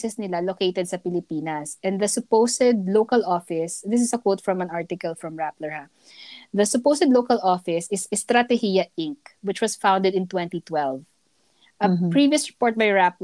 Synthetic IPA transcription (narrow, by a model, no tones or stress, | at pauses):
sɛsnɪlalokejt̪ɛd̪̚sɐpɪlɪpiːnɐsʔɛ̃nd̪ɐsʊpowsɛd̪̚lowkɐlʔɔfɪsd̪ɪs̬ɪsɐkwowt̪fɹɔ̃mɐ̃naɹt̪ɪkɐlfɹɔ̃mɹaplɛɹa | ðɐsʊpowsɛd̪lowkɐlɔfɪsɪsɪst̪ɾat̪ɛhijɐʔɪ̃ŋk̚wɪt͡ʃwɐsfãwnd̪ɛd̪ɪ̃nt̪wɛ̃nt̪it̪wɛlv | ʔɐpɹiviʊsɹɛpɔɹt̪̚bajɹap̚l